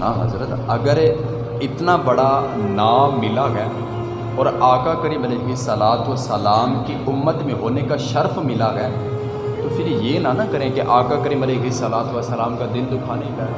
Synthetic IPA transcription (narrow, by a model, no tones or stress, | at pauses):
nã̰ɦɐ̰zɾət̪ɐɡəɾ | ɪt̪nabɐɽa | naːmːɪlaɡɛː | ɔːɾaːkaːkəɾiːmɐlɛːkɪsəlaːt̪əsəlaːmkiʊmːət̪mẽɦoːnekaʃəɾfmɪlaɡɛː | t̪opʰɪɾjeːnanakəɾẽkeʔaːkakəɾiːmɐleːkɪsəlaːt̪ʋɐsəlaːmkad̪ɪnd̪ʊkʰaːneikɛ